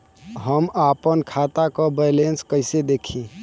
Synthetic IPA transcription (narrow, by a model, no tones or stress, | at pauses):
ɦəmaːpənkʰaːt̪akobəlenskəɪsed̪eːkʰĩ